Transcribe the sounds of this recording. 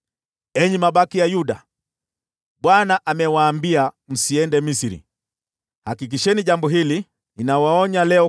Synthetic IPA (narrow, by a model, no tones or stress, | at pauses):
ɛɲimaɓakijajuɗa | ɓwanaʔamɛwaːmbia | m̩siɛndɛmisiɾḭ | hakik̬iʃɛniʄambɔɦili | ninawaɔɲalɛɔ